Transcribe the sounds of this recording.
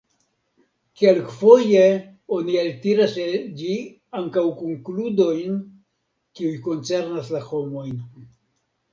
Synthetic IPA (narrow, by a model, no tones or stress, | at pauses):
kelkfo̞je | onialtiɾaseld͡ʒi | aŋkawkoŋkludo̞jn | kiujko̞nt͡se̞ɾnaslaxo̞mo̞jn